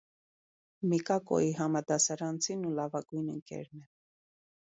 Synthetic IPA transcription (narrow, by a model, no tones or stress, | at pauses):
mikɑkɔ̰iɦɑmɑd̪ɑsɑɾɑnt͡sʰinulɑvɑɡujnəŋkɛ̰ɾnɛ